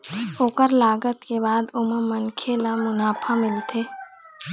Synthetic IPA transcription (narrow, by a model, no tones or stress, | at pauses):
oːkəɾlaːɡət̪kebaːd̪ʊməmənkʰelamʊnaːpʰamɪlt̪ʰeː